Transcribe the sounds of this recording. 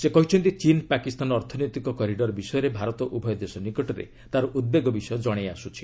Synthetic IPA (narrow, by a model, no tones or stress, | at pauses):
sekɔɦit͡ʃʰɔnt̪it͡ʃinpakist̪anɔːɾt̪ʰɔnojt̪ikɔkɔɾiɖɔɾbisɔjɔɾebʱaɾɔt̪ɔʔubʱɔjɔd̪esɔnikɔʈɔɾḛ | t̪aɾɔʔud̪̚beɡɔbisɔjɔd͡ʒɔɽ̃ejasut͡ʃʰi̥